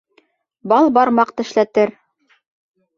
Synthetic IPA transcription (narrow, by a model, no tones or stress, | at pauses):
bɑlˠbɑɾmɑqt̪ɘ̆ʃlæt̪ɘɾ